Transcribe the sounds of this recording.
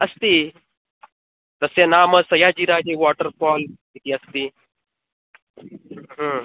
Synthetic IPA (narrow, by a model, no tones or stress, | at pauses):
ɐst̪iː | t̪əsjanaːməsɐjaːd͡ʑiːɾaːd͡ʒiʋɔːʈəɾpɔːl | it̪iːɐst̪iː | ɦə